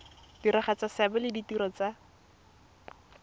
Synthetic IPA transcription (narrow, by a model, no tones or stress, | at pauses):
d̥iɾaχat͡sasabɛlɪditiɾɔt͡sa